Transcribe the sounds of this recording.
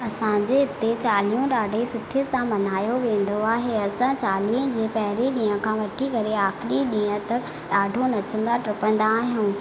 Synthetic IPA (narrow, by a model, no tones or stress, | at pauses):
ɐsãd͡ʑeɪt̪et͡ɕaːlijũɗaːɖʱisʊʈʰijəsãmɐnaːjoʋẽːn̆d̪oaːɦeɐsãt͡ɕaːlijũd͡ʑeːpɐɦɪɾeɗĩːə̃kʰãʋɐʈʰikɐɾeaːxɾiɗiːə̃t̪ɐ | ɗaːɖʱonɐt͡ɕə̃nd̪aʈɾɪpə̃nd̪aːɦijũː